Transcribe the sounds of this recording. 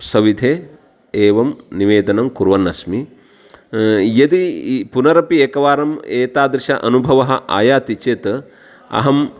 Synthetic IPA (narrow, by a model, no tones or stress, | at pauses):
sɐʋid̪ʱeː | eːʋɐmniʋeːd̪ɐnɐmkuɾʋɐnːɐsmi | jɐd̪ipunɐɾɐpieːkɐʋaːɾɐmeːt̪aːd̪ɾɪʃɐ̰ʔɐ̰nubʱɐʋɐɦɐ̆ʔa̰ːjaːt̪it͡ʃeːt̪ | ɐ̰ɦɐm